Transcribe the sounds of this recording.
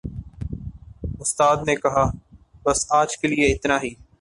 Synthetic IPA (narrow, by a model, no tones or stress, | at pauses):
ʊst̪aːd̪nekɐɦaːbɐsaːd͡ʒkelɪeɪt̪naːɦiː